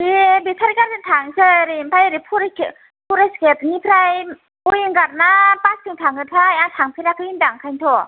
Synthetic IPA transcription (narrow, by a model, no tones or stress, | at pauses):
ibitʰaɾikaɾɯtʰaŋsɯɾimpʰajɾipʰuɾek | pʰuɾesketnipʰɾaj | ujɯŋɡaɾnapastʰɯŋtʰaŋɯtʰajaŋtʰaŋpʰiɾakʰɯindaŋkʰajntʰɔ